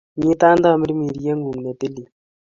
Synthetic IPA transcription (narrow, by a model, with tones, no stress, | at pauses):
ɲi˦t̪a˦nd̪a˦˨mə˦ɾi˦mi˨ɾje˦ŋɡu˨mne˨t̪e˦li˨